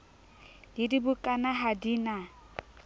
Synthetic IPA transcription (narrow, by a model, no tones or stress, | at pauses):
dɪdibukʼanaɦadiːna